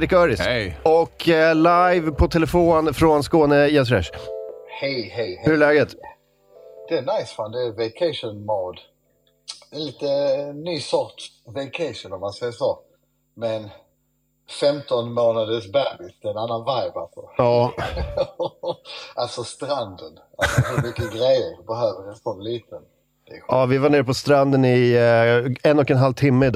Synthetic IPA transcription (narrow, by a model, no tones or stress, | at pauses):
d̪ɪkœːɾɪsɔkːlajvpʰɔt̪ʰɛlɛfoːnfɾonskoːnəjat̪̬ɾɛ̰ʂhɛjhɛjhhɵɭɛːɡət̪ | d̪̥ɛːnaɪsfand̪ɛɛvɛɪkʰɛɪʂɔnmoːd̪ | ɛliːt̪ənːyːsɔɾt̪ | vɛɪkʰɛɪʂɔnɔmːansɛjəʂoː | mɛn | fɛmt̪ɔnmoːnad̪əsbæbɪsd̪ɛɛnanːanvaɪbalpɔɑː | ʔalsɔst̪ɾand̪ənʔaɛmʏkːəɡɾɛjːəɾbɛhøːvəɾsɔmliːt̪ʰən | ɛʔɑːvɪvaɳeːɾpʰɔst̪ɾand̪ənɪ | ɛnɔkɛnɦalt̪ʰɪmːəd̪